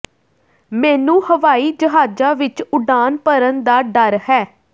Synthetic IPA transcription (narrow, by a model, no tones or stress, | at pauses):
mɛːnũːhəʋaːiːd͡ʒəɦaːd͡ʒaːʋɪt͡ʃʊɖaːnpəɾənd̪aːɖəɾhɛː